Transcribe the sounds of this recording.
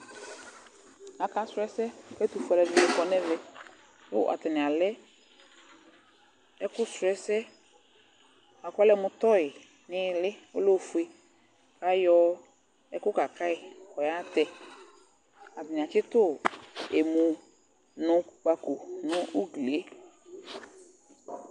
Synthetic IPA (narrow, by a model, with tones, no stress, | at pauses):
a˨ka˦sɛ˦sɛ˦˨kɛ˦t̪u˨fu˨˦a˨lɛ˨vi˦ɛ˨kɔ˦nɛ̃˦vɛ˦ | jʊ̰˦ʔa̰˨t̪ɛ˨nɪ̃˨a˨lɛ˦ | ɛ˦kʊ˦sʊ˨ɛ˦sɛ˦ | a˨kʷa˦lɛ˦mʊ̃˦t̪ɔ˦ɪ˨ | nɪ̃˦lɪ˦o̰˦lo˦˨fu˨˦e˦ | ka˦jɔ˦ | ɛ˦kʊ˦ka˨ka˦ɪ˨kɔ˨ja˦t̪ɛ˨ | a˨dɪ˨ɲ˨a˨t͡ʃɪ˦t̪ʊ˦˨e˨mʊ̃˨ | nʊ̃˨k͡pa˨ko˨nʊ̃˦u˦ɡle˨˦